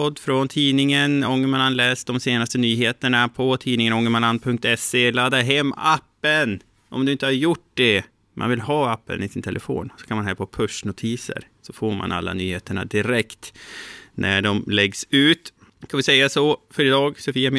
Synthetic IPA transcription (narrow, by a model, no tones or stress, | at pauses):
ɔd̪ːfɾɔnt̪ʰiːnɪŋənɔŋːəmananlɛːsd̪ɔmseːnast̪ənyːɦeːt̪əɳapʰɔt̪ʰiːnɪŋənɔŋːəmanand̪̚pʰɵŋk̚t̪ɛselad̪ːaɾɦɛmːapːən | ʔɔ̰md̪ɵɪnt̪əhaɾjʊʈːd̪ɛ | mʔa̰nvɪlɦɑːapːə̰nɪsɪnt̪ʰɛlʔəfo̰ːnsɔ̥kʰanmanɦæːɾpʰɔpʰɵʂnʊt̪ʰiːsə̰ɾsɔfoːɾma̰na̰lːa̰nyːheːt̪əɳa̰d̪ɪɾɛkt̪ | nʔæ̰ɖɔmlɛɡsʉ̟ːt̪ | kʰanvɪsɛjːasɔfœɾɪd̪ɑːɡsʊfiːamɪ